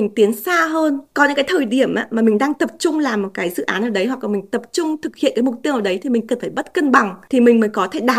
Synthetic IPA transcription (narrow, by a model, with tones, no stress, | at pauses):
i˨˩ŋ̟t̪i˨˦ənsaː˧ɦəː˧nkɔ˨˦ɲɨ̰˧˥kaː˨˦jt̪ʰəː˨˩jɗi˧˩əmʔa̰ː˨˧˦maː˨˩mï˨˩ŋ̟ɗaː˧ŋt̪ə˨˩p̚t͡ɕʊ˧ŋ͡mlaː˨˩mːo˨˩t̚kaː˨˦jzɨ̰˧˨ʔaː˨˦nʔəː˧˩ɗə˨˦jɦwa˨˩k̚laː˨˩mï˨˩ŋ̟t̪ə˨˩p̚t͡ɕʊ˧ŋ͡mt̪ʰɨ˨˩k̚hḭ˧˨ənkaː˨˦jmʊ˨˩k͡p̚t̪i˧əwʔəː˧˩ɗə˨˦jt̪ʰi˨˩mï˨˩ŋ̟kə˨˩nfaː˧˩jɓə˦˥t̚kə˧nɓa˨˩ŋt̪ʰi˨˩mï˨˩ŋ̟məː˨˦jkɔ˨˦t̪ʰe˧˩ɗaː˨˩